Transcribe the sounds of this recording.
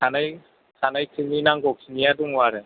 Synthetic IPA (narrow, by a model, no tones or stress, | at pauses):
kʰanaj | kʰanajkʰɯninaŋɡɔkʰinijaduŋaɾɛ